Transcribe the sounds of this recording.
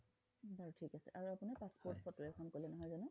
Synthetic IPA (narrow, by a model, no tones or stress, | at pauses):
baɹutʰikasɛ̰ʔaɹuapunɛpaspɔɹtpʰɔtʊɹɛkʰɔmkolɛnɔɦɔjzanʊ